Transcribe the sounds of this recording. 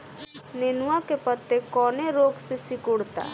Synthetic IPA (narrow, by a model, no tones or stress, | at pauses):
neːnuwãkepət̪ːekɔːneɾoːɡsesɪkʊɽt̪a̰ː